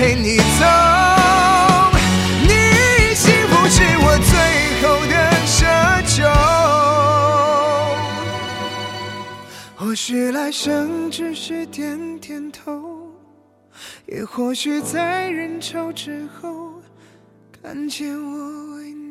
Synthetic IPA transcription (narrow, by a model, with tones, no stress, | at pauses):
e˧˥˩ɪni˨˩t͡so˨˥ | ni˨˩˨ɕi˥ŋpu˧˥ʂɻ̩˥˧˩wɔ˨˩t͡swe˥˩ɪxo˧˩ʊd̪ə˧ʂə˧˥t͡ɕʰjo˨˧ | xwɔ˨˧˩ɕy˧˩la˧˥ɪʂə˧˥ŋʈ͡ʂɻ̩˥˧ʂɻ̩˥˧˩t̪ʰjɛ˧˥nt̪ʰjɛ˧˩nt̪ʰo˧˦ʊ | jɛ̰˨˩xwɔ˥˧ɕy˥˧t͡sa˧ɪɻə˧˥nʈ͡ʂʰo˧˥ʊʈ͡ʂɻ̩˧˥xo˥˧ʊ | ka˧˥nt͡ɕʰɛ˧˥nwɔ˧˩we˧˥ɪ